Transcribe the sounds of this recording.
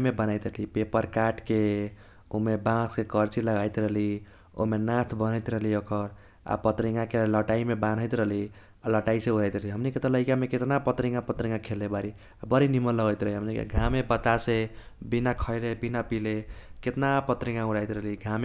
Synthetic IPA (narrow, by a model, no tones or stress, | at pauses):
mebənajt̪ɾəlipepəɾkaʈke | umebãskekəɾt͡ʃiləɡajt̪ɾʌɦli | o̰menãt̪ʰbənəjt̪ɾʌɦliokʰəɾ | a̰pət̪ɾiŋɡakeləʈaimebãnɦəjt̪ɾəɦli | aləʈaisẽuɾajt̪ɾəɦliɦəmniket̪ələɪkameket̪napət̪ɾiŋɡapət̪ɾiŋɡakʰelebaɾi | abəɾiniməlləɡəjt̪ɾʌɦliɦəmnikḛɡʱamebət̪ase | binakʰʌɪlebinapileket̪napət̪ɾiŋɡãuɾajt̪ɾəɦliɡʱame